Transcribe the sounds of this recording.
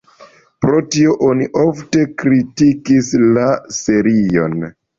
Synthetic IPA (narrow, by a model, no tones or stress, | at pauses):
pɾo̞tio̞ʔo̞niʔo̞fte̞kɾitikislase̞ɾio̞̰n